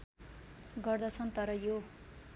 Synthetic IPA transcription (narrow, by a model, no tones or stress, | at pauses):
ɡʌrd̪ʌt͡sʰʌnt̪ʌɾʌjo